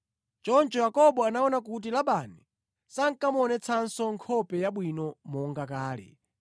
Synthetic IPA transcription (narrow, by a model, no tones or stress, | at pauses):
t͡ʃɔnt͡ʃɔjakɔɓɔanaɔnak̬ut̬ilaɓani | saŋ̩kamɔnɛt͡sʰansɔŋkʰɔpɛjaɓwinɔmɔŋɡakaːlɛ̰